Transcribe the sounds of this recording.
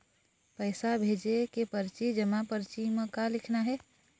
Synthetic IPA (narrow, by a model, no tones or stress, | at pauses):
pəɪsabʱed͡ʒekepəɾt͡ʃid͡ʒəmapəɾt͡ʃiməkalikʰnaɦɛ